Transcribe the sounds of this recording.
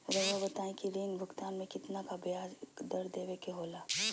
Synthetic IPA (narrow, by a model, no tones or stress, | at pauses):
ɾɐʋabɐt̪aːẽkiɾĩŋbʱʊkt̪aːnmẽkɪt̪nakabjaːsd̪ɐɾd̪eːʋekeɦoːlaː